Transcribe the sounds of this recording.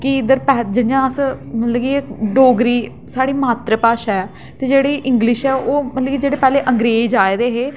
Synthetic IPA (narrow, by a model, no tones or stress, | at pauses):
kɪɪd̪əɾpɛːd͡ʒɪnɪjãːəsmət̪ləɡiːɖoːɡɾiː | saːɽiːmaːt̪ɾəpaːʃɛː | t̪eːd͡ʒeːɽiːʔɪ̃ŋɡlɪʃɛːoːmət̪ləɡiːd͡ʒeːɽeːpɛːleːʔəŋɡɾeːd͡ʒaːeːd̪eːɦeː